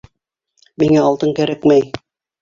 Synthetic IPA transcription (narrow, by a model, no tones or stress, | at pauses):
miŋæɑlˠt̪ɤŋkæɾækmæj